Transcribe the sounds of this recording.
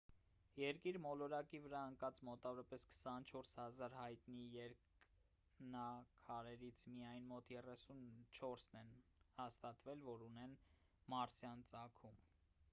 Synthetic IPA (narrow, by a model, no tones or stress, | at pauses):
jɛɾkiɾmɔlɔɾɑkivəɾɑəŋkɑt͡smɔt̪ɑvɔɾɑpɛskʰə̥sɑnt͡ʃʰɔɾshɑzɑɾhɑjt̪nijɛɾk | nɑkʰɑɾɛɾit͡sʰmijɑjnmɔt̪jɛrɛsunt͡ʃʰɔɾsnɛnhɑst̪ɑt̪vɛlvɔɾunɛn | mɑɾsjɑnt͡sɑkʰum